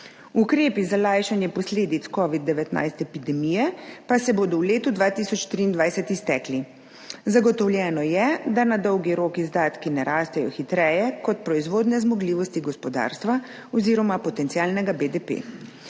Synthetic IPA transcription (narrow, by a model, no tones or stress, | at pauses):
ukɾeːpizalajʃanjɛpɔsleːd̪it̪skɔːʋid̪̚ːɛʋɛt̪na̰jst̪ɛpid̪ɛmijɛpasɛboːd̪ɔwleːt̪ud̪ʋaːt̪isɔt͡ʃt̪ɾiːnd̪ʋajsɛt̪ist̪ɛːkli | zaɡɔt̪ɔwlʲjɛːnɔjɛd̪anad̪ɔwɡiɾoːkizd̪aːt̪kinɛɾaːst̪ɛjɔxit̪ɾɛjɛkɔt̪̚pɾɔizʋoːd̪nɛzmɔɡliːʋɔst̪iɡɔspɔd̪a̰ɾst̪ʋa | ɔziːɾɔmapɔt̪ɛnt̪siaːlnɛɡabed̪epḛː